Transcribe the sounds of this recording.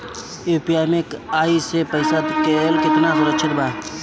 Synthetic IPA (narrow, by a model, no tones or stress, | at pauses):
eːpijaːjmekaːisepəɪsad̪keːlkɪt̪nasʊɾəkt͡ʃʰɪɾbaː